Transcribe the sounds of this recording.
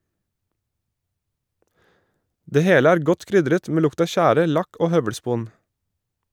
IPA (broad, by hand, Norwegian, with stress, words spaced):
ˈdeː ˈheːlə ˈæːɾ ˈɡɔt ˈkɾʏdɾət ˈmeː ˈlʊkt ˈɑː ˈʃæːɾə ˈlɑk ˈoː ˈhœʋəɽˌspuːn